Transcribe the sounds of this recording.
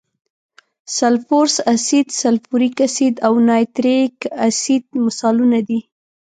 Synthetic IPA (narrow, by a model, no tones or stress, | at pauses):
salfoɾsasid̪salfuɾikasid̪awnɑjt̪ɾekasid̪̚masɑlunad̪i